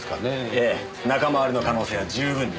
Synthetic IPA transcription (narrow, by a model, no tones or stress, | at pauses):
kaneeː | nakamaaɾʲɯno̞kano̞ːse̞ːβad͡ʑɨːbɯ̟̃n